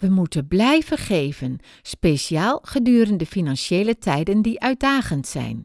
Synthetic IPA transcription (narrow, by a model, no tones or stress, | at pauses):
ʋəmutəblɛjv̥əχejvən | spesiaːlˠχədyːɾəndəfinɑnʃeːlətʰɛjdəndiʔœɥt̚daːχəntsɛ̰jn